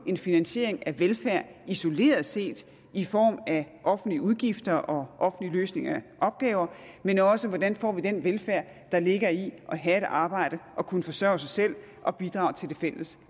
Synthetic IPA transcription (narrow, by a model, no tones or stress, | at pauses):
e̝nfinænɕe̝̰ɐ̰eŋæʋelfæɐ̰iso̝le̝̰ːɐð̩ˠse̝̰ːd̥ | ifɒ̰ːmæʔɒ̽fn̩dliəuðˠɡ̥ifd̥ɐʔɒ̽ʔɒ̽fn̩liløːsne̝ŋɐʔɒ̽b̥̚ɡ̥ɛːʊɐ | menɒ̽səʋɒd̥ænfɒ̰ːʋid̥enʋelfæɐ̰ | d̥ɑ̈le̝ɡ̥ɐiʔɒ̽ɦæe̝d̥ɑ̈ːb̥ɑ̈ɪ̰ɾ̥əʔɒ̽kʰunəfɒ̽sɶɐ̰ʊsɑ̈ɪsel̰ | ʔɒ̽b̥id̥ʁɑ̈ːʊt͡sʰe̝ld̥e̝fel̰əs